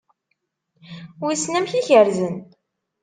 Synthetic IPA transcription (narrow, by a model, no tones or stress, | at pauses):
wisnæmçiçəɾzən